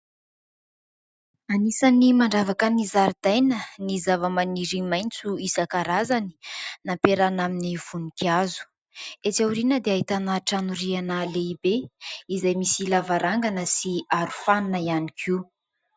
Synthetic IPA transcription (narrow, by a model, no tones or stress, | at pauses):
anisanimaɳɖ͡ʐavakənizaɾid̪ajnənizavəmaniɾimajnt͡suisakaɾazani̥napeɾanaminiv̥unikiazu̥ | et͡sawɾinəd̪eaɦit̪anaʈ͡ʂanuɾianəleibeizajmisilavaɾaŋɡanəsiaɾu̥faninəianikʰi